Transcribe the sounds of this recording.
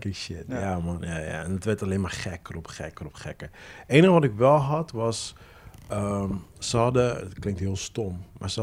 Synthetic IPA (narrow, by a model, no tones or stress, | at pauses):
kɪkʃɪtjamɔnjaja̰ɛndətʋɛrtaleːnmarχɛkərɔpχɛkərɔpχɛkəeːnəxəʋɔtɪkʋɛlˠɦɑtʋɔs | əmsəɦɑdətklɪŋ̚tɦiəlˠstomːa̰ɹsə